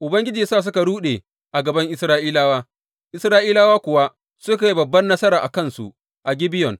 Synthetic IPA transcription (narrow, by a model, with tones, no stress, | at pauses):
ʔʊ˨bɐ˦ŋɡʲɪ˦d͡ʒiː˨saː˦˨s̬ʊ˦ka˨ɽuː˦ɗe˨ | ʔa˨ɡɐ˨bɐ˦ŋʔɪ˦sɾaː˦ʔiː˦laː˦waː˦ | ʔɪ˨sɾaː˦ʔiː˦la˦waː˦kʷʊ˨wa˦ | sʊ˦ka˨ji˦bɐ˨bːɐ˦nːɐ˦sɐ˦ɾaː˨ʔa̰˨kɐ˦˨nsṵ˨ʔ | ʔa˨ɡʲɪ˦bɪ˦jɔ˨n